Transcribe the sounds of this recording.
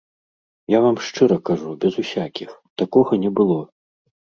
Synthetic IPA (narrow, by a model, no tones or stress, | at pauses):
javamʂt͡ʂɨɾɐkaʐubʲɛzusʲakʲixt̪akɔɣɐnʲɛbɨlˠɔ